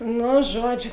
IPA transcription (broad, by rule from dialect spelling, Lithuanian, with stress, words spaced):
ˈnʊ ˈʒuɔˌd͡ʒʲʊ